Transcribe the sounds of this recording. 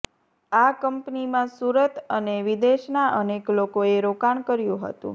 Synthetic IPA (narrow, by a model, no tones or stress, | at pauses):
akəmpnimãsuɾət̪əneʋid̪eʃnaʔəneklokoeɾokaɳkəɾjũɦə̰t̪ṵ̃